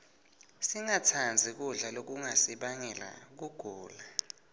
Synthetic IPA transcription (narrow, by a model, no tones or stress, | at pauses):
siŋatʰand͡zʱik̬uɮalok̬uŋasiɓaŋɛla̰k̬uɡ̥ʱuːla